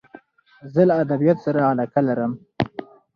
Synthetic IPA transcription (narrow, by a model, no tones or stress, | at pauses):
zəlaːd̪abijat̪saɾaalakalaɾəm